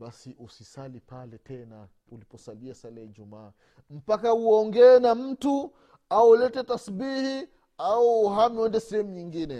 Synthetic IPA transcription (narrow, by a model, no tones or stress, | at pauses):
ɓasiʔusisalipalɛtʰɛna | ulipɔsaliasalɛiʄumaː | m̩pakauɔŋɡɛːnam̩tu | aulɛtɛtasbihi | auhamɛndɛsɛhɛmuɲiŋɡinɛ